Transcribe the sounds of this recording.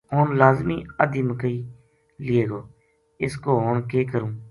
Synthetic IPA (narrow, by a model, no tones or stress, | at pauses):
ɦoːnlaːzmiːəd̪iːməkəiː | lɪeːɡoː | ɪskoːɦoːɳkeːkəɾũː